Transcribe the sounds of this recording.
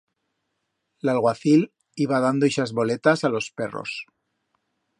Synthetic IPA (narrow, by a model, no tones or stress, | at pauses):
lalɣwaθil | iβað̞and̪oiʃazβo̞let̪asalo̞spero̰s